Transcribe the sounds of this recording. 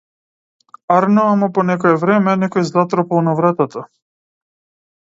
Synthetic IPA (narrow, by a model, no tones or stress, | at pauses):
aɾnɔamɔpɔnɛkɔɛvɾɛmɛnɛkɔjzlˠat̪ɾɔpɔlˠnavɾat̪at̪a